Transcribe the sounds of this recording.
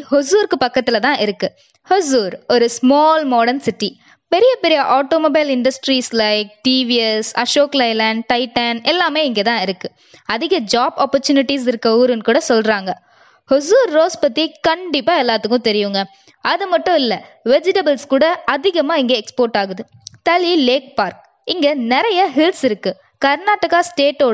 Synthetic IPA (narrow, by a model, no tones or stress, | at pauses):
hɔsuːɾkːɯpɐkːɐt̪ːɪlɐt̪ãːʔɪɾɯkːɯ | hɔsuːɾɔɾɯsmoːlmoːɽɐnsɪʈːi | pɛɾɪjɐpɛɾɪjɐʔaːʈoːmoːbɐɪlɪɳɖɐsʈɾiːslɐɪk̚ʈiːʋiɛsɐʃoːklɐɪlɐɳɖʈɐɪʈɐnɛlːaːmeːɪŋɡet̪ãːɪɾɯkːɯ | ɐðɪɣɐd͡ʒaːbaːpːɔɾt͡ʃuːnɪʈːis̬ɪɾɯkːɐuːɾɯnkuːɽɐsɔlɾaːŋɡɐ | hʊs̬uːɾːoːspɐt̪ːikɐɳɖɪpːaːɛlːaːt̪ɯkːʊ̃t̪ɛɾɪjɯŋɡɐ | ɐðɯmɐʈːʊ̃ɪlːɐ | ʋɛd͡ʒɪʈɐbɐlskuːɽɐɐðɪɣɐmaːɪŋɡɐɛkspoːɾʈaːɣɯðɯ | t̪ɐlileːk̚paːɾk̚ | ɪŋɡɐnɛɾɐjɐɦɪlsɪɾɯkːɯ | kɐɾnaːʈːɐkaːsʈeːʈːoːɽɐ